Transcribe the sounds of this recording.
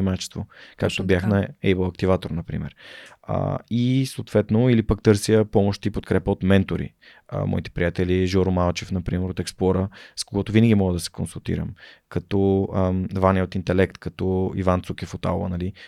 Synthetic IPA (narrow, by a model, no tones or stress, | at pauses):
imat͡ʃɛ̥st̪voka̰kt̪objaxnɐɛbəlˠɐkt̪ivat̪oɾnɐpɾḭmɛ̰ɾə̰isoːt̪vɛt̪noilipək̚t̪ɤɾsjəpɔmoʃt̪ipot̪kɾɛpəot̪mɛnt̪oɾḭ | mɔ̰it̪ɛ̥pɾijat̪ɛliʒɔɾomalˠt͡ʃɛfnɐpɾimɛɾot̪ɛksplˠɔɾəskoɡɔt̪ʊvinəɡʲimɔɡəd̪ɐsɛ̥konsulˠt̪ḭɾə̰mkɐt̪ɔ | vaniəot̪int̪ɛlɛkt̪kɐt̪ɔḭvant̪sukifot̪a̰lvə̰nɐli